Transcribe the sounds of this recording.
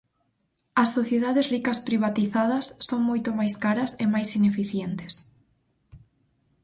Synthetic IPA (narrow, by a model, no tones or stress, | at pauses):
ɐsːoθjeðaðezrikɐspɾiβ̞at̪iθaðɐsːoŋmojt̪omajskaɾɐsemajsinefiθjɛnt̪e̥s